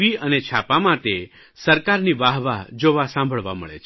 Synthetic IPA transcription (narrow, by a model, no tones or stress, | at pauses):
iənet͡ʃʰapamãt̪e | səɾkaɾniʋaɦʋad͡ʒoʋasãmbʱəɭʋaməɭḛt͡ʃʰ